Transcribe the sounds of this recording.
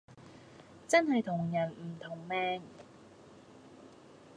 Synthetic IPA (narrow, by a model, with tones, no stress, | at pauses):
t͡sɐ˥nhɐ˨jt̪ʰʊ˨˩ŋjɐ˨˩nm̩˨˩t̪ʰʊ˨˩ŋmɛː˧ŋ